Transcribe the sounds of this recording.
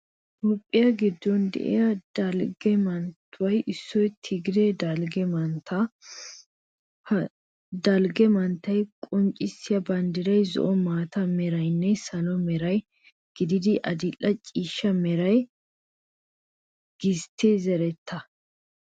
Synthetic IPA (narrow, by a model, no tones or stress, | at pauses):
topʼːɪjɐɡɪd̪ːɔnd̪ɛ̰ʔɛ̰jɐd̪ɐlɡɛmɐnt̪ːʊwɐjʔɪsːɔjt̪ʰɪɡɪd̪ed̪ɐlɡɛmɐnt̪ɐ | d̪ɐlɡɛmɐnt̪ːɐjkʼɔnt͡ʃʼɪsːɪjɐbɐnd̪ɪɾɐjzɔ̰ʔɔmaːt̪ɐmɛɾɐjnːɛsɐlɔmɛɾɐj | ɡ̥ɪd̪ɪd̪ɪʔɐd̪ɪlːɐt͡ʃʼiːʃːɐmɛɾɐj | ɡ̥ɪst̪ʰːeːzɛɾɛt̪ːɐ